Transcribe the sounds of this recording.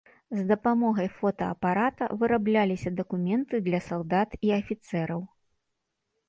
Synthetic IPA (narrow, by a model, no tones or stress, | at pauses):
zd̪ɐpamɔɣɐjfɔt̪ɐ̰ːpaɾat̪ɐ̰vɨɾablʲalʲisʲɐd̪ɐkumʲɛnt̪ɨd̪lʲɐsalˠd̪at̪iɐfʲit̪sɛɾɐw